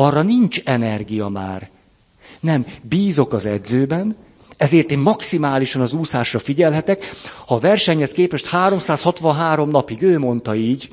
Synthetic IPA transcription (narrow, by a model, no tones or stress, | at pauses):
ɒrːɒniɲt͡ʃɛnɛrɡijɒma̰ːr | nɛmbiːzo̞kɒzɛd̪zøːbɛn | ɛzeːrt̪eːmmɒksimaːliʃɒnɒzuːsaːʃrɒfiɟɛlɦɛt̪ɛkhɒːvɛrʃɛɲhɛskeːpɛʃt̪haːɾo̞msaːshɒt̪ʋɒnɦaːɾo̞mnɒpiɡøːmo̞nt̪ɒiːɟ